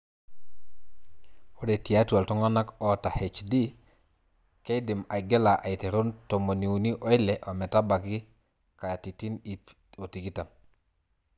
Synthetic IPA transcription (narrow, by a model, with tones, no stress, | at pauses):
wo˦de˨ti˨ja˦tua˨lto˦ŋa˦na˦ko˨ta˨he˨t͡ʃdi˦ | ke˦di˨ma˨ɡe˦la˨ʔa˨i˨te˨ɾu˦nto˨mo˨ni˨u˨ni˦ʔo˨˦i˦le˨ʔo˨me˨ta˦ba˨ki˦ | ka˨ja˨ti˨ti˦ni | o˨ti˨ki˦ta˨m